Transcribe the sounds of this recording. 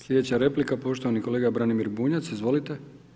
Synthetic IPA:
slʎʲe̞d̪et͡ɕaɾe̞plikapo̞ʃt̪oʋaniko̞leɡabɾanimiɾbuːɲat̪sizʋo̞lit̪e

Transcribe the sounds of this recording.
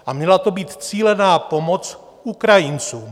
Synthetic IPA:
ʔamɲɛlat̪obiːt̪t͡siːlɛnaːpomot͡s | ukɾajint͡suː

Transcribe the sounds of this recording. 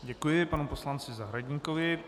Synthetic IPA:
ɟɛkujɪpanuposlant͡sɪzaɦɾaɟɲikovɪ

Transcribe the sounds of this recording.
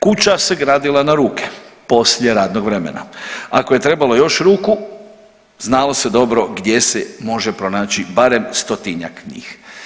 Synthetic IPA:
kut͡ɕase̞ɡɾaːd̪ilanaɾuːkʰe̥po̞sʎje̞ɾaːd̪no̞ɡʋɾemḛna̰ako̞je̞t̪ɾe̞balˠojo̞ʃɾuːku | znalo̞se̞d̪o̞bɾo̞ɡd̪je̞semo̞ʒepɾo̞naːt͡ɕibaɾe̞mst̪o̞t̪iɲa̰kɲḭːx

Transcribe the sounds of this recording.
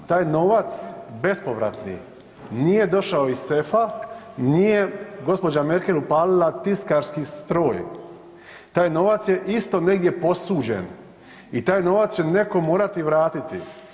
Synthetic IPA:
t̪aːjno̞ʋat̪sbe̞spo̞ʋɾa̰t̪nḭ | nije̞d̪o̞ʃaoissefa | nijeɡo̞spo̞d͡ʒame̞ɾkelupaːlilat̪iskaɾskist̪ɾo̞ːj | t̪aːjno̞ːʋat̪sje̞ʔist̪o̞ne̞ɡd̪je̞po̞suːd͡ʑḛn | it̪aːjno̞ːʋat̪st͡ɕe̞ne̞ko̞moːɾat̪iʋɾaːt̪it̪i

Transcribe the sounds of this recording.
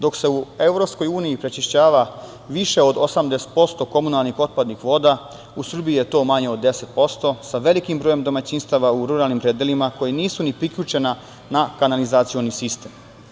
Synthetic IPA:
d̪o̞kse̞ue̞ʋɾo̞psko̞juːniipɾe̞t͡ʃiʃt͡ɕaːʋa | ʋiʃe̞o̞d̪osamd̪ese̥t̪̚po̞st̪o̞ko̞munalˠnixo̞t̪̚pad̪nixʋo̞ːd̪a | usrbiije̞t̪o̞ːmaɲeod̪ːe̞se̞t̪̚po̞st̪o̞saʋe̞likimbɾoːjemd̪o̞mat͡ɕinst̪aʋauɾuɾalnimpɾed̪jelimako̞jeniːsunipɾikʎut͡ʃe̞na | nakanalizat̪sio̞nisist̪e̞m

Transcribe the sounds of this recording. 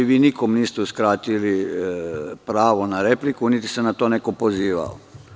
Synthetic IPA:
iʋiːnikomniːst̪euskɾaːt̪ili | pɾaːʋo̞naɾe̞plikunit̪i̥senat̪oːnekopoziːʋa̰o̰

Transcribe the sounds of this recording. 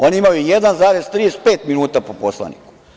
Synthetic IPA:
o̞niimajuijed̪anzaːɾe̞zt̪ɾiːespeːt̪minuːt̪apoposlˠa̰nḭku̥

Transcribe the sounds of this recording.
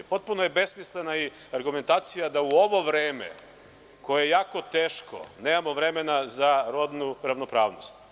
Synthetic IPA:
po̞t̪̚punojebesmislenai | aɾɡume̞nt̪aːt̪sijad̪auo̞ʋo̞ʋɾeːmḛ | kojejejaːko̞t̪eːʃko̰neːmamo̞ʋɾemenazaɾod̪nuɾaʋnopɾa̰ːʋnost̪

